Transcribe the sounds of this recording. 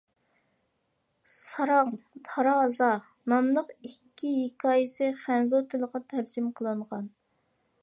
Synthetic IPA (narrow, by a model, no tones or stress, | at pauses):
sɑɾɑŋt̪ʰɑɾɑːzɑ | nɑmlˠəqikʲːiɦikʰɑːjisɨχænzot̪ʰɪlˠəqɑt̪ʰæɾd͡ʒɪmqʰəlˠɨɴʁɑn